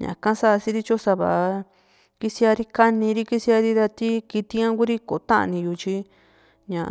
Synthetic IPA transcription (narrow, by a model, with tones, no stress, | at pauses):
ɲã̰˨kã˦sa˦˧si˦ɾi˦t͡ʃo˦sa˧βa̰˨ʔ | ki˦si˧a˧ɾi˦ka˦nĩ˧ɾi˦ki˦si˧˦a˧ɾi˦ða˧t̪i˦ki˧t̪i˦ã˦ku˦ɾi˦ko˨˧t̪ã˦ʔa̰˧nĩ˧ju˧t͡ʃi˦ | ɲã˨